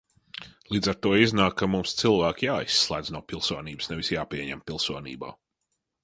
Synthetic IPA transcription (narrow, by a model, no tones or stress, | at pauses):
lˠiːd̪zaɾt̪uɔiznaːkːamumst̪silˠvæːkjaːisːlˠæ̰ːd̪znɔpʲilˠsuɔniːbsnɛvʲisjaːpiɛɲɛ̰mpʲilˠsuɔnḭːba̰ː